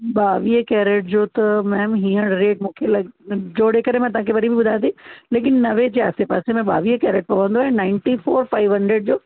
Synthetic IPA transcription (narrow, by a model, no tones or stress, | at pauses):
ɓaːʋiekɛːɾeʈ̚d͡ʑoːt̪ɐmɛ̃ːmɦĩːə̃ɽɾeːʈ̚mũːkʰelɐɡd͡ʑoːɽeːkəɾẽmɛ̃t̪ɐʋãːkʰeʋɐɾibʱibʊd̪ʱãnd̪ĩleːk̬ɪnːɐʋed͡ʑeːa̰ːsepaːsemɛ̃ɓa̰ːʋiekɛːɾeʈ̚pɐʋə̃nd̪oaːɦẽnãːɪɳʈifoːɾfaːɪʋɦɐ̃ɳɖɾeɖd͡ʑoː